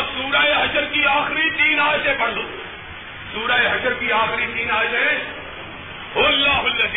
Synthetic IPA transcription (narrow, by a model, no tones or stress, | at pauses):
suːɾaːeɦɐʃəɾkiaːxɾit̪iːnaːd͡ʒsepɐɽd̪uː | suːɾaːeɦɐʃəɾkiaːxɾit̪iːnaːd͡ʒse | ɦoːɐlːaːɦʊlːɐz